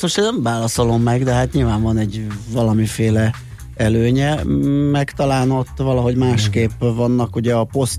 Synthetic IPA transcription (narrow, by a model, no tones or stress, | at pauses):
t̪mo̞ʃt̪eːnːɛmvaːlɒsolo̞mːɛɡd̪ɛɦat̪ɲilvaːɱvɒnɛɟvɒlɒmifeːlɛ | ɛløːɲɛmɛkt̪ɒlaːno̞t̪ːvɒlɒɦo̞ɟmaːʃkeːpvɒnːɒkuɟɛɒpo̞st̪